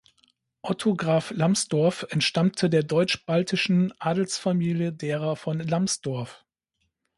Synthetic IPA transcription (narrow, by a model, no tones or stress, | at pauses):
ʔɔtʰoɡʁaːflamsd̥ɔɐfɛntʃtamtʰədeːɐdɔʏt͡ʃb̥altʰɪʃn̩ʔaːdl̩sfamiːljədeːʁɐfɔnlamsd̥ɔɐf